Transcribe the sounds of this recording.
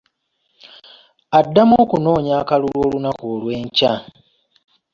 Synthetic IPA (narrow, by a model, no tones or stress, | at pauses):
adːamoːkuno̞ːɲaːkalulwoːlunakoːlwe̞ːɲca